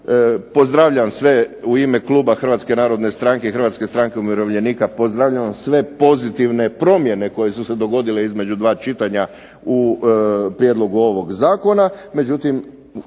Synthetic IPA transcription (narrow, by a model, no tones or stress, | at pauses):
po̞zd̪ɾaʋʎaʋamsʋeuime̞klˠuːbaxr̩ʋaːt̪ske̞naːɾo̞d̪ne̞st̪ɾaːŋke̞ixɾʋat̪ske̞st̪ɾaŋkeumiɾo̞ʋʎe̞nikapo̞zd̪ɾaʋʎaʋamsʋe̞po̞zit̪iʋne̞pɾo̞mje̞ne̞ko̞je̞suse̞d̪o̞ɡo̞d̪ile̞izme̞d͡ʒud̪ʋaːt͡ʃit̪aɲa | u | pɾjed̪lo̞ɡuo̞ʋo̞ɡzaːko̞name̞d͡ʒut̪im